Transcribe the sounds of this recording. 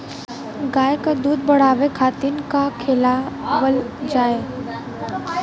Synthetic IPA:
ɡaːjekad̪uːd̪bəɽ̤aːʋekʰaːt̪inkakʰɪːlaʋəld͡ʒaːe

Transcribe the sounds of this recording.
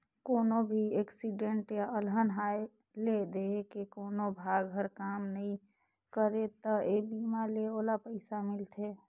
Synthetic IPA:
koːnobʱieksiɖeɳʈjaʔəlɦənɦae | led̪ekekoːnobʱaɡɦəɾkamnəĩ | kəɾet̪əebimaleolapəɪsamɪlt̪ʰe

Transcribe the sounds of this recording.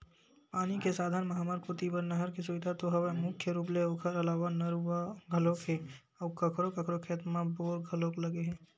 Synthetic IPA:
paːnikesaːd̪ʱanmɐɦaːmaːɾkot̪ibəɾnɐɦəɾkisʊʋɪd̪ʱat̪oɦɐʋemʊkʰjəɾuːpleoːkʰəɾɐlaːʋanɐɾuaɡʱɐlõkʰe | ɔːkəkʰɾokəkʰɾokʰeːt̪mãboːɾɡʱəloːkləɡeɦɛ̃ː

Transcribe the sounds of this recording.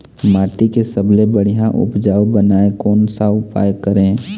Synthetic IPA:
maːʈikesəblebəɽ̤ijãʔʊ̰pd͡ʒaːwbənaːekɔːnsaʊpa̰ːjkəɾẽ

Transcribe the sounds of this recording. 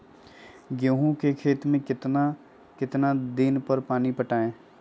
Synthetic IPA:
ɡjoːɦũkekʰeːt̪mẽkɪt̪na | kɪt̪nad̪ɪnpəɾpaːnipəʈaːẽː

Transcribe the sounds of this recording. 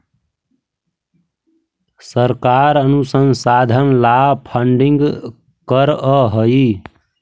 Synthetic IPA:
səɾkaɾənusənsad̪ʱənlapʰəɳɖiŋɡ | kəɾəɦəj

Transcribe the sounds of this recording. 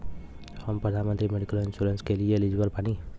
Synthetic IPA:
həmpɾəd̪ʱanmənt̪ɾimeɖikəlinsuɾenskelielid͡ʒbəlpani

